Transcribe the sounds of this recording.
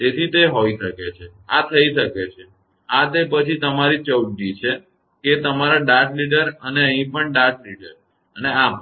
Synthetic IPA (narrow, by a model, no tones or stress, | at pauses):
t̪et̪ʰit̪eɦoiʃəket͡ʃʰe | at̪ʰəiʃəket͡ʃʰe | at̪epət͡ʃʰit̪əmaɾit͡ʃəwʈit͡ʃʰe | ket̪əmaɾaɖaɾʈliʈəɾəneəɦĩpəɳɖaɾʈliʈəɾ | ənea